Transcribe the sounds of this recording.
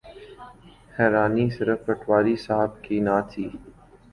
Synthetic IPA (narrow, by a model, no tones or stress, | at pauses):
hɛːɾaːniːsɪɾəfɐʈʰwaːɾisaɦəbkiːnãːt̪ʰiː